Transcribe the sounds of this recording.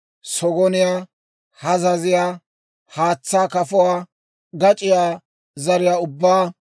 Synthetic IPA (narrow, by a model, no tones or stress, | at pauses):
sɔɡɔnɪjaː | hɐzɐzɪjaː | haːt͡sːaːkɐfʊwaː | ɡɐt͡ʃʼɪjaː | zɐɾɪjaːʊbːaː